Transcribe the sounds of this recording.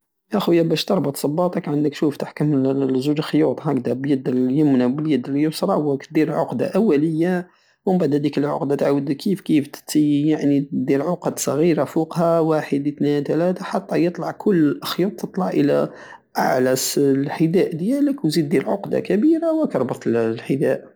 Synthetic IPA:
jæxujːæbæʃt̪ɑɾˤbɑt̪ˤsˤɑbːɑt̪ˤɑkʕənd̪ək̪̚ʃuft̪aħkəmzud͡ʒlxjut̪ˤhækd̪æbjəd̪ljʊmnæbəljəd̪ljʊsɾˤɑwəkt̪̚d̪iɾʕoqd̪a̰ʔæwːæləjːa | mʊmbaʕd̪hæd̪ikəlʕo̰qd̪at̪ʕawəd̪əkʰːifkift̪ə̥t̪ːəjaʕnid̪iɾʕoqɑd̪sˤɣiɾafuqhæwaħəd̪t̪nint̪ælæt̪aħɑt̪ˤːɑjət̪ˤlɑʕkʰʊlːxjut̪̚ˤt̪ːət̪ˤlɑʕʔəlæ̰ | ʔa̰ʕlæslħəd̪æʔd̪jæləkwzid̪̚ːiɾʕo̰qd̪a̰kæbiɾawəkɑɾˤbət̪ˤəllħəd̪æʔ

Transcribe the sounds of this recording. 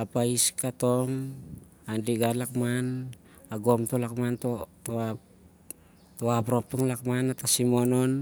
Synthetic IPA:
apaiskat̪oŋ | andiɡalak̚man | aɡomt̪olakmant̪ot̪oa | t̪oap̬ɾop̚t̪oŋlak̚manat̪asimonon

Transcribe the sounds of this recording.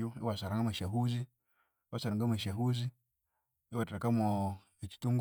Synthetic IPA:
uḭwasaɾaŋɡamaʃaɦuzi | wasaɾaŋɡamaʃaɦuzi | iwatɾakamo | it͡ʃi̥tuŋɡ

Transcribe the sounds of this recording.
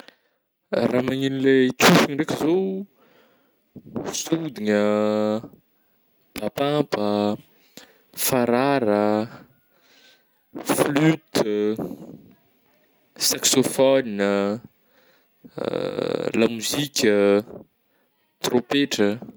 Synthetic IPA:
ramaɲinilekʰufiniɾekʲəzo | sud̪iɲə | b̥apapə | faɾaɾə | flyt̪ | saksofɔniə | lamuzikʲə | t̪ropeʈ͡ʂə

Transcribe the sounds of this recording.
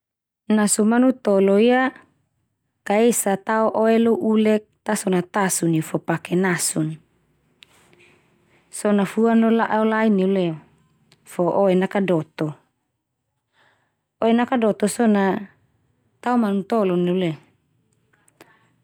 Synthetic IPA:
nasumanut̪oloia | kaesat̪aoʔoeloʔulɛk̚t̪asonat̪asuniufopakenasun | sonafuanlolaʔaolaineuleo | foʔoenakadot̪o | oenakadot̪ɔsona | t̪aomanut̪olɔneule

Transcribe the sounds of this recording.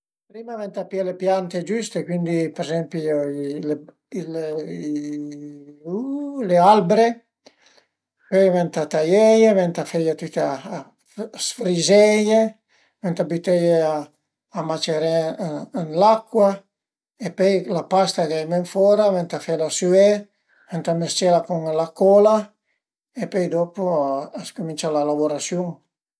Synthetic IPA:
pɾimavɛnt̪apialepjant̪ed͡ʒyst̪ekwind̪ipeɾezɛmpiole | il | lealbɾe | pɔjvɛnt̪at̪ajɛjevɛnt̪afejat̪ut̪a | sfɾizɛje | vɛnt̪abit̪ɛjeaː | mat͡ʃeɾɛnlakwa | epɛjlapast̪aɡajmɛɱfɔɾavɛnt̪afɛlasyɛ | vɛnt̪amest͡ʃɛlakuŋlakɔla | epøjd̪ɔpoaskumĩnt͡ʃalalaboɾasjuŋ

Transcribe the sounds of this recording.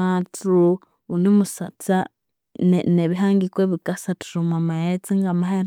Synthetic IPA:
atɾu | unimusat͡sa | neneβiɦaːŋɡikweβikasatu̥ɾumwamajet͡siŋɡamaɦeɾ

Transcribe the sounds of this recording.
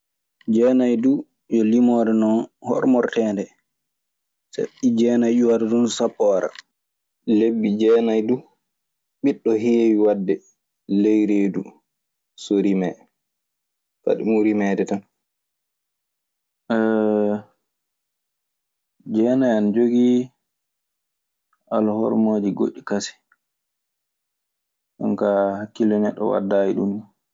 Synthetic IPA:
d͡ʒɛnajdu | jɔlimɔɾɛnɔnhɔ̰ɾmɔɾtɛːndɛ | sa̰ɗid͡ʒɛːnajɗuwadɛdunsapːɔaɾa̰ | lebːid͡ʒɛːnajdu | ɓiɗːɔɦijwadːɛ | lejɾeːdṵ | soɾimɛ | fa̰ɗḭmuɾimɛdɛtan | ʔɛ | d͡ʒɛːnajanad͡ʒoɡi | ʔalhɔ̰ɾmoːd͡ʒiɡo̰ʔːikasi̥ | ʔankahakːilɔnɛɗːɔ̰wa̰dːajiɗum

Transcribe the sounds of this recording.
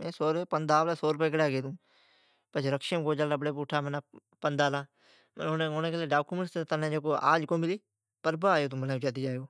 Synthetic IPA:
mẽːsoːɾeːpənd̪aːʋlaːsoːɾpeːkəɽaːɡeːd̪ũː | pət͡ʃɾəkʃemkoːd͡ʒaːləbɽeːp̬ʊːʈʰaːmənaː | pənd̪aːlãː | moneoːnẽːkeleːɖaːkuməɳʈst̪et̪ənẽːd͡ʒeːkoːa̰ːd͡ʒkõːmɪliː | pəɾbaːaːjoːt̪ũːbənaːʊt͡ʃaːt̪iːd͡ʒaːjoː

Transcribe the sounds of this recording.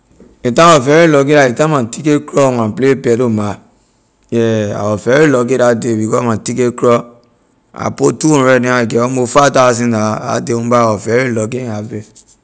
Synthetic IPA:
etãwɔfɛɾelɔɡeɾaitãmatikekɾɔmãplepɛdoma | jɛa̰wɔfɛɾilɔɡeɾadebikɔãtikekɾɔ | a̰potuõɾɛnĩaɡɛɔmofatas̬ĩdaa̰deũbawɔfɛɾilɔɡeave

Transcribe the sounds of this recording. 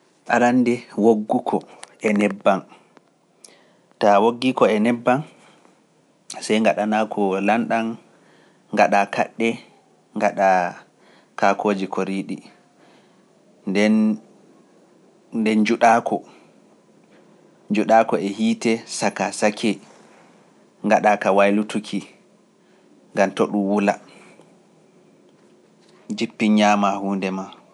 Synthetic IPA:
ʔa̰ɾandɛwoɡːukʰɔʔɛnɛbːan | tawoɡːikɔɛnɛbːan | sajŋɡaɗanakʰɔlanɗan | ŋɡaɗaka̰ɗːɛ | ŋɡaɗa | kakʰoːd͡ʒikʰoɾiɗi | dɛn | dɛnd͡ʒuɗaːkʰɔ | d͡ʒuɗaːkɔɛhiːtɛsakasakʰɛ | ŋɡaɗakawajlutukʰi | ŋɡamtɔɗumwula | d͡ʒipːiɲɲaːmahuːndɛma

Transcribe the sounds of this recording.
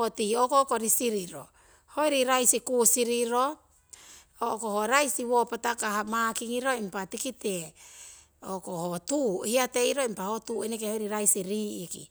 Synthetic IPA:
otiokokoɾisiɾiɾo̞̰ | ho̞jɾiɾajsikusiɾiɾo̞ | oʔkohoɾajsiwopatakaɦamakiŋiɾo̞impatikite | okohotuhiate̞iɾo̞impahotuːenekehojɾiɾajsiɾiːikḭ

